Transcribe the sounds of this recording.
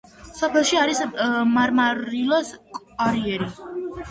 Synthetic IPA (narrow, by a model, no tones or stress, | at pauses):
sɔpʰɛlˠʃiaɾismaɾmaɾilɔskʼ | aɾiɛɾi